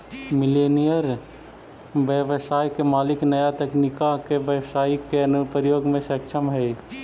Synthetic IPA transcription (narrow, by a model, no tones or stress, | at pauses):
mɪleːnijəɾ | ʋjəʋsaːjkemaːlɪknəjat̪ɛknɪkakeʋjəʋsaːikeɐnʊpɾjoːɡmẽʃəkʃəmɦɛː